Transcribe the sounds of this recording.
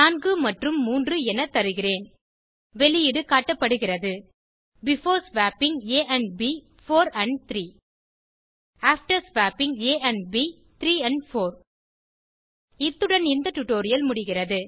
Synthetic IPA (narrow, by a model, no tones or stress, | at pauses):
naːnɡɯmɐʈrɯmːuːndrɯɛnɐt̪ːɐɾɯɣɪreːn | ʋɛɭɪjɪɽɯkaːʈːɐpːɐɽɯɣɪrɐðɯ | bɪfoːɾsʋaːpɪŋɡeːʔɐɳbiː | foːɾɐɳɖt̪ɾiː | aːfʈɐɾsʋaːpɪŋeːʔɐɳɖbi | t̪ɪɾiːɐɳɖfoːɾ | ɪt̪ːɯɽɐnɪnd̪ɐʈʊʈːoːɾɪjɐlmʊɽɪɣɪrɐðɯ